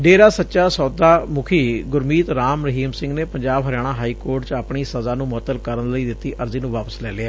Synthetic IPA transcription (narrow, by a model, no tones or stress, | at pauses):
ɖeːɾaːsətːʃaːsɔːd̪aːmʊkʰiːɡʊɾmiːt̪ɾaːmɾəɦiːmsɪ̃ŋɡneːpəɲd͡ʒaːbɦəɾɪjaːɽ̃aːɦaːiːkoːɾʈt͡ʃapɳiːsəzaːnũːmʊɦət̪ːəlkəɾənləiːd̪ɪt̪ːiːʔəɾziːnũːʋaːpəslɛːleaː